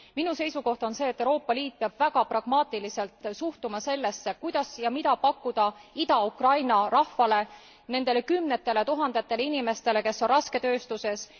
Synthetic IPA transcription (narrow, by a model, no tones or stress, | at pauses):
minuse̞jsuko̞ht̪o̞nse̞ːt̪ːewɾro̞ːpːˑɑliːt̪̚peɑb̥væɡ̥ɑprɑɡ̥mɑːt̪ˑilise̞lt̪ˑsuht̪umɑse̞lːe̞sːekujd̪̥ɑsjɑmid̪̥ɑpɑkːud̪̥ɑid̪ɑukrɑjnɑrɑhfɑle̞ | ne̞nd̪̥e̞le̞kymne̞t̪ːˑe̞le̞t̪uɦɑnd̪e̞t̪ːe̞leinime̞st̪e̞le̞ke̞sːo̞nrɑske̞t̪ø̞ːst̪use̞s